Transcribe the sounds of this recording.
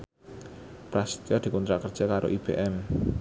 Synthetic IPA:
pɾast̪jɔd̪̥i̤kɔnt̪ɾaʔkərd̥ʒ̥akaɾʔo̰ʔib̥ḛʔɛm

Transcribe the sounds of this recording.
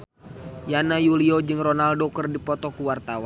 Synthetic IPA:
janajuliod͡ʒɨŋrɔnaldokərdipɔt̪ɔkuwart̪awa

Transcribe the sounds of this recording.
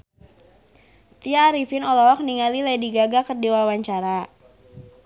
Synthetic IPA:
t̪iaːɾifɪnɔlɔɔk̚niŋalilajdiɡaɡakərdiwawaɲt͡ʃaɾa

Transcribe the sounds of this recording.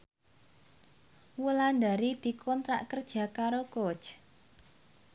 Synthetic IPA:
wuland̪a̤ɾid̪̥i̤kʰɔnt̪ɾa̰ʔkərd̥ʒ̥a̤kaɾokot͡ʃ

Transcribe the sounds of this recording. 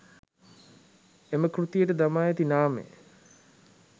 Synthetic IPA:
eməkrut̪ijəʈəd̪amaːjet̪inaːmḛ

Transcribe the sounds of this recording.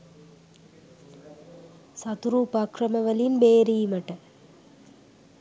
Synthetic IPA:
sɐt̪uɾuːpɐkrɐmɐʋɐlimbeːɾijimɐʈːɐ

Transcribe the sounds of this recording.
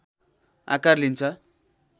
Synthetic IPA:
a̰karlint͡sʰʌ

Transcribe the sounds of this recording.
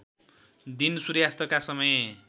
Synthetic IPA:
d̪insuɾjast̪ʌkasʌmʌj

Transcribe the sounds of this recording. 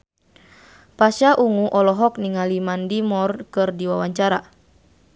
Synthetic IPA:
pasaʔuŋuʔɔlɔɦɔk̚niŋalimandimɔrkɨrdiwawaɲt͡ʃaɾa

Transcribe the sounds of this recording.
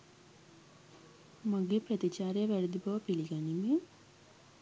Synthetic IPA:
maɡeːprət̪it͡ʃaːɾejəʋæɾed̪ibaʋəpiliɡanime

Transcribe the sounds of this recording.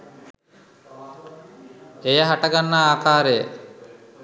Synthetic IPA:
ejəɦaʈaɡanːaaːkʰaːɾejə

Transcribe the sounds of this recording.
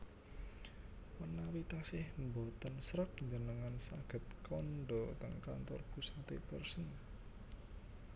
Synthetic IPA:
wənːawit̪asɪhmbot̪ənsɾək̚ɲd͡ʒənəŋansaɡ̥ə̤t̪̚kʰɔnɖɔt̪əŋka̰nt̪ɔrkusat̪epərsən

